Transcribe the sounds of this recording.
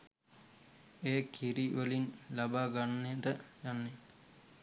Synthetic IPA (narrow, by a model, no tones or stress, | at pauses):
eːkʰiɾiʋɐlinlɐbaːɡɐnːiɾɐjanːi